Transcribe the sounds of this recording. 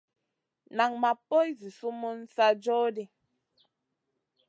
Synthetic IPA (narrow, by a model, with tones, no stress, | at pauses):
na˨ŋma˨po˦jzi˨su˦mu˦n˦sa˦d͡ʒɔ˦di˦